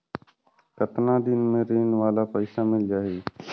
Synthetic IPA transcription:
kət̪nãːd̪ɪnmẽːɾeːnʋaːlaːpəɪsaːmɪld͡ʒaːɦeː

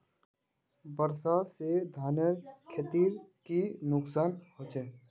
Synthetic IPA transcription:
bəɾsased̪ʱaːnəɾkʰet̪iɾkinʊksaːnhot͡ʃʰɛ

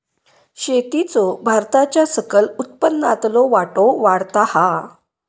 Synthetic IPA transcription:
ɕet̪it͡sobʱaɾt̪at͡ɕjasəkəlut̪̚pənːat̪loʋaʈoʋaɽt̪aha

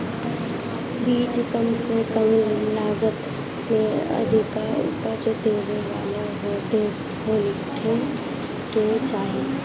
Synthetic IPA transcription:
biːd͡ʒkəmsekəmllaːɡət̪ | mẽɐ̰d̪ikaʊ̰pat͡ʃət̪eːʋeʋaːlaɦoɖeː | ɦoːlɪsʈʰe | ket͡ʃaːɦeː

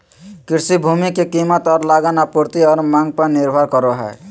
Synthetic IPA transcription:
kiɾsibʱumikekimət̪ɔɾlaɡanapuɾt̪iʌɾmaŋɡ̚paniɾbʱʌɾkʌɾoɦɔ̰e

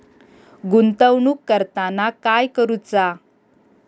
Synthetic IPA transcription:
ɡunt̪əwɳuːkːəɾt̪anakajkəɾut͡sa

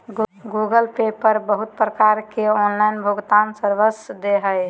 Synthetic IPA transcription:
ɡuɡəlpepəɾbəɦut̪̚pɾəkaɾkeɔnlaɪnbʱʊɡt̪ansəɾʋəsd̪eɦəj

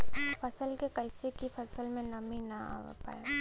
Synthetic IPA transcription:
fɐsəlkekɐɪsekifɐsəlmẽnɐminɐa̰ːʋa̰pa̰ːje

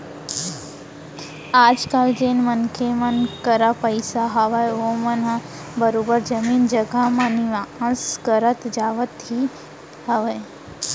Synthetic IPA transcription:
aːd͡ʒkald͡ʒenmənkʰemɐnkəɾapəjsaɦɐʋajʋomɐn | bəɾoːbəɾd͡ʒɐmiːnd͡ʒəɡamɐniʋãə̃skəɾət̪d͡ʒaːʋət̪ɦi | hɐʋəj

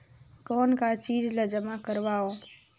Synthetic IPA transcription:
kɔːnkat͡ʃiːd͡ʒləd͡ʒəmakəɾʋaːoː

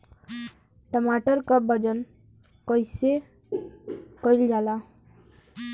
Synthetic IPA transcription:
ʈɔmaʈɔɾkʌbʌd͡ʒɔn | kɔjse | kɔjld͡ʒala

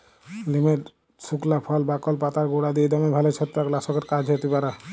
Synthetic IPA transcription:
limeɾ | suklapʰɔlbakɔlpat̪aɾɡoɽad̪ied̪ɔmebʱalet͡ʃʰɔt̪ːɾaklasɔkeɾkad͡ʒʱet̪ipaɾa

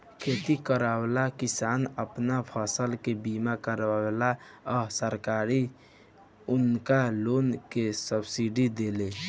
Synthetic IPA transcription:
kʰet̪ikəɾawlakɪsaːnəpnapʰəsəlkebimakəɾala | ɔsəɾkaɾi | ʊnkaloːnkesəbsiɖid̪ele

